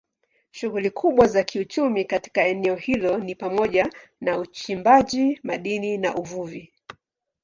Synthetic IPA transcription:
ʃuɣulikʰuɓwazakʰiut͡ʃumikati̥kaɛnɛɔhilɔnipamɔʄanaut͡ʃimbaʄimaɗinina̰ʔuvuvi

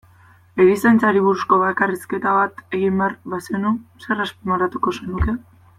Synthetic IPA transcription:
eðisent͡saɾiβuɾusko̞βaekariske̞t̪aβat̪e̞ɣimbearβasenuse̞raspimaɾat̪uko̞senuke̞

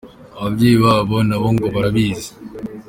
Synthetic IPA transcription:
aβabɟejiβaːβonaβoŋɡoβaɾaβiːze

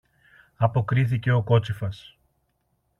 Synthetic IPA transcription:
ɐpo̞kɾiθice̞o̞ko̞t͡sifɐs

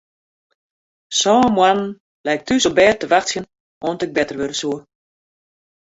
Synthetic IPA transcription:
sɔːmwanən̩ | lɛjk̚tʰysobɛːtəʋaxsjən | ʔoːntɪk̚bɛtərʋøɾəsuə

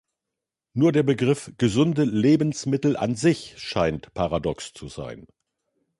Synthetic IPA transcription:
nuːɐdeːɐbəɡʁɪfɡ̥əzʊndəleːbn̩smɪtl̩ʔa̰nzɪçʃaɪntpʰaʁadɔkst͡suza̰ɪn

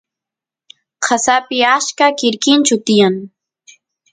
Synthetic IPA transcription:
qʰasapɪaskakɪɾkɪnt͡ʃʊt̪ɪjaŋ

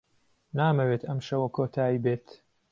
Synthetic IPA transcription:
naːmɐweːt̪ɐmʃɐwɐkʰoːt̪ʰaːjibeːt̪

